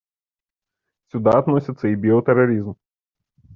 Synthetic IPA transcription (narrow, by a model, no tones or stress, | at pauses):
sʲud̪aːt̪nɔsʲɪt̪sɐibʲiɔt̪ɛɾɐɾʲizm